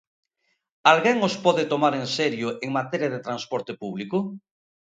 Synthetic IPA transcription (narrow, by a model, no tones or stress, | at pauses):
alɣeŋospɔðet̪omaɾenseɾjʊʔeŋmat̪eɾjaðet̪ɾãnspɔɾt̪epuβlikʊ